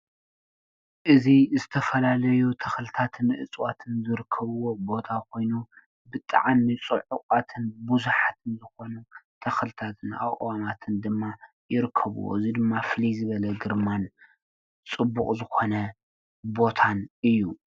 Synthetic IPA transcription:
ʔɨzizɨt̪ʰɐfɐlalɐjut̪ʰɐxlɨt̪ʰat̪ʰɨnʔɨ̰t͡sʼwat̪ʰɨnzɨɾɨkʰːɐβɨwo̞bo̞t̪ʰakʰo̞jnu | bɨt̪ʼa̰ʕanːɨt͡sʼɨʕʊkʼat̪ʰɨnbuzuħat̪ʰɨnzɨxo̞nut̪ʰɐxlɨt̪ʰat̪ʰɨna̰wʔʼwamat̪ʰɨnd̪ɨmːa | jɪɾɨkʰːɐβṵwo̰ɨzid̪ɨmːaflizɨβɐlɐɡɨɾman | t͡sʼɨbːukʼzɨxo̞nɐ | bo̞t̪ʰanɨjːu

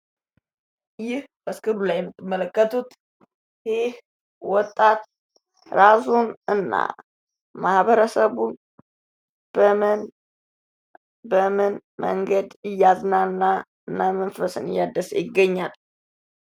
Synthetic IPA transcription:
jɪhbəskɨlulajɛmːət̪ʼːɨmːələkːət̪ʰut̪ | heh | wɔt̪ʼːat̪ | ɾasunɨnːa̰ | mahβəɾəsəβun | bəmn | bəmɨnmə̰ŋɡəd̪ɪjaznalɨnːa | ɨnːamənfəsɨnɨjːad̪əsjɪɡːəɲːal

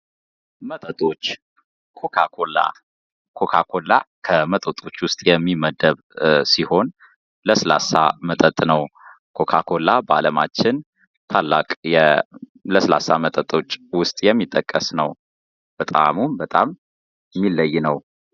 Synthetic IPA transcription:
mət̪ʼət̪ʼo̞t͡ʃː | kʰo̞kʰakʰo̞la̰ | kʰo̞kʰakʰo̞la̰kʰəmət̪ʼət̪ʼo̞t͡ʃːwʊst̪ʼjɛmːiməd̪əβ | siho̞n | ləsla̰sa̰mət̪ʼət̪ʼnəw | kʰo̞kʰakʰo̞laba̰ləmat͡ʃːɪn | t̪ʰalːa̰kʼjɛ | ləsla̰samət̪ʼət̪ʼo̞t͡ʃːwʊst̪ʼjɛmːit̪ʼːəkʼːəsnəw | b̥ət̪ʼa̰mumbət̪ʼamː | ilːəjːnəw

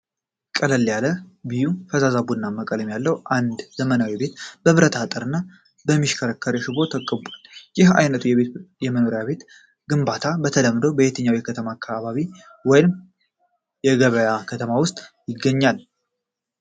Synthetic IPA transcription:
kʼələlːjaləbijufəzazabunːamːəkʼələmjalːəwʔand̪zəmənawibe̞t̪bəβɾət̪ʰat̪ʼəɾɨnːa | bəmːiʃkʰəɾəkːəɾeʃɪbo̞t̪ʰəkʼːəbʷaljɪha̰jnət̪ʰujɛejɛməno̞ɾjaβe̞t̪ | ɡɨmbat̪ʰabət̪ʰələmːd̪owbəet̪ʰəɲːawjɛkʰət̪ʰəmakʰːaβaβi | wɔjɪm | jɛɡəβəjakʰət̪ʰəmawʊst̪ʼjɪɡːəɲːal

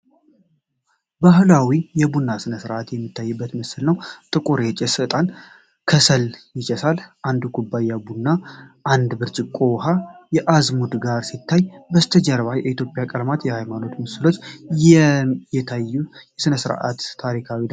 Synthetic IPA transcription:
baɦlawijɛbunːasɨnəsɨɾʔat̪jɛmːit̪ʰːajːɨbːət̪məsɨlnəwt̪ʼɨkʼuɾɛt͡ʃʼɛsɨt̪ʼan | kʰəsəljɪt͡ʃʼɛsalʔand̪uɡubːajabunːaʔand̪bɨɾt͡ʃʼɪkʼowɦajɛʔazmud̪ɡaɾsit̪ʰːajbəst̪ʰəd͡ʒɛɾβajɛʔit̪ʰjo̞pʼjakʼəɾmat̪jɛhajmano̞t̪məsɨlo̞t͡ʃː | jɛt̪ʰajːujɛsɨnəsɨɾʔa̰t̪ʰːaɾikʰawi

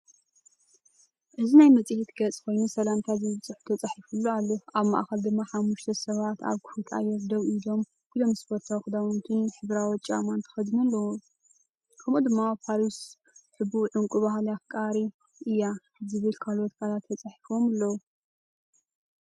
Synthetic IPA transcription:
ʔɨzinajmɐt͡sʼihit̪ɡɐt͡sʼkʰo̞jnusɐlamt̪ʰazɨβɨt͡sʼɨħu̥t̪ʰɐt͡sʼaħifulːoalːoʔaβma̰ʔxɐld̪ɨmːaħamːuʃt̪ʰɐsɐβat̪a̰βkʰu̥hut̪ʰa̰jɐzd̪ɐβilo̞m | bɨlomɨspʰo̞ɾt̪ʰawxɨd̪awɔnt̪ʰɨnħɨβɾawɔt͡ʃʼa̰mant̪ʰɨ̥xɐd̪nulːɐwu | kʰɐmod̪ɨmːapʰaɾis | ħɨbuʕɨŋkʼubaɦljakʼaɾi | ʔɨjːa | zɨβɨlkʰalot̪kʰalat̪ːʰɐt͡sʼaħifo̞malːɐwu

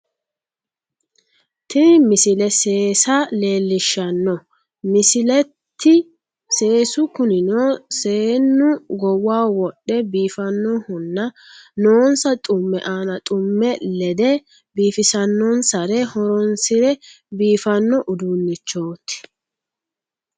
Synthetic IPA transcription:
t̪ɪnmɪsɪlɛse̞ːsale̞ːlːɪʃːɐnːɔ | mɪsɪlɛt̪ːɪ | se̞ːsʊkʊnɪnoːse̞ːnːʊɡɔwaːwɔɗːɛbiːfɐnːɔhʊnːɐ | noːnsɐt̪ʼʊmːɛ̰ʔaːnɐt̪ʼʊmːɛlɛd̪ɛ | biːfɪsɐnːɔnsɐɾɛhɔɾɔnsɪɾɛ | biːfɐnːɔʔʊd̪unːɪt͡ʃːo̞ːt̪ːɪ̥

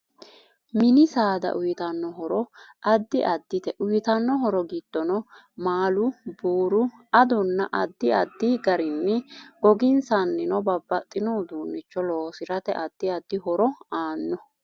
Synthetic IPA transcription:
mɪnɪsaːd̪ɐ̰ʔʊjɪt̪ɐnːɔɦɔɾɔ | ʔɐd̪ːɪʔɐd̪ːɪt̪ɛʔʊjt̪ɐnːɔɦɔɾɔɡɪd̪̥ːɔnɔ | maːlʊbuːɾʊɐd̪ɔnːɐʔɐd̪ːɪɐd̪ːiɡɐɾɪnːɛɡ̥ɔɡɪnsɐnːɪnɔbɐbːɐt̪ʼːɪnoːd̪uːnːɪt͡ʃːɔloːsɪɾɐt̪ɛ̰ʔɐd̪̥ːɪɐd̪ːɪɦɔɾɔaːnːɔ

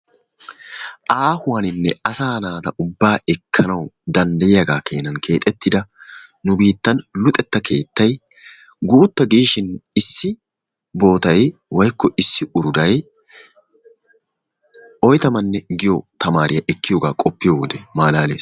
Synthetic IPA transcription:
ʔaːhʊwɐnɪnːɛɐsaːnaːt̪ɐʊbːaːɛkʰːɐnɐwd̪ɐnd̪ɐjjɐɡaːke̞ːnɐnkʰe̞ːt̪ʼɛt̪ːɪd̪ɐnʊbiːt̪ːɐnlʊt̪ʼɛt̪ːɐkʰe̞̰ːt̪ːɐj | ɡuːt̪ːɐɡiːʃɪnɪsːɪ | bo̞ːt̪ɐjwɐjkːɔʔɪsːɪʔʊɾʊd̪ɐj | ɔjt̪ɐmɐnːɛɡɪjɔt̪ɐmaːɾɪjɐʔɛkːɪjoːɡaːkʼɔpːɪjoːwɔd̪ɛmaːlaːle̞ːs

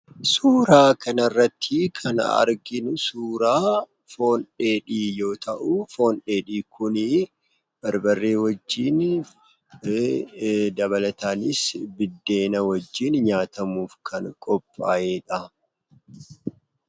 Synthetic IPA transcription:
suːɾaːkɐnɐrːɐt̪ʰːɪkʰɐnɐ̰ɾɡɪnʊsuːɾaː | fo̞ːnᶑeːᶑiːjo̞ːt̪ɐʔufo̞ːnᶑe̞ːᶑiːkʊnɪ | b̥ɐɾbɐrːe̞ːwɐd͡ʒːiːn | d̪ɐβɐlɐt̪aːnɪsbɪd̪ːe̞ːnɐwɐd͡ʒːiːnɲaːt̪ɐmuːfkʰɐnkʼɔpʼːaːjeːᶑɐ

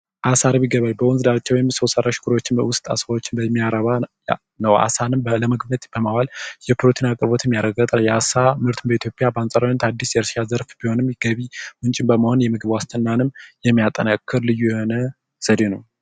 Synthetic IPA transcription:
ʔasaɾβiɡəβajbəwɔnzɨd̪at͡ʃːɛwjɛmːsosəɾaʃɡʰuɾwot͡ʃːɪnwʊst̪ʼa̰sawot͡ʃːɪnbəmːijaɾəβa | nəwa̰sanɨmləməɡbət̪ʼb̥əmawaljɛpʰɨɾot̪ʰinakʼɨɾbo̞t̪ʰɨmːijaɾəɡət̪ʼnəwjɛasamɨɾt̪ʰɨmbəit̪ʰjo̞pʼjabəansʼaɾant̪ʰad̪ːisjɛɾsʃazəɾfb̥iho̞nɨmɡəβimɨnt͡ʃʼɪmbəməho̞njɛmɨɡɨβwast̪ʰənːanɨmjɛmːijat̪ʼːənəkʰːɨɾlɨjːujɛho̞nə | səd̪enəw

